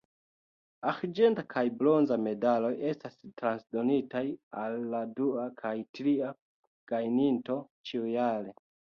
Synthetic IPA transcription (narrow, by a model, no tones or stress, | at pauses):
axd͡ʒe̞ntakʰajblo̞nzame̞dalo̞je̞stastɾansdo̞nitajalːaduakʰajtɾia | ɡ̥ajninto̞ | t͡ʃiujale̞